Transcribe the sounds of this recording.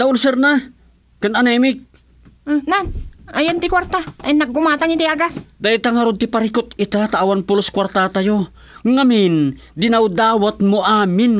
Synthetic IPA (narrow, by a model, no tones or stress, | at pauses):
d̪̥aʊnsɛrna | kananɛmɪk̚ | nanajant̪ikwaɾt̪aajnaɡʊmat̪aŋit̪aijaɡasd̪ait̪aŋaɾʊd̪̚t̪ɪpaɾikʊt̪it̪at̪aːwanpʊlʊskwart̪at̪ajo | ŋamɪn | d̪inawd̪awat̪moʔamɪn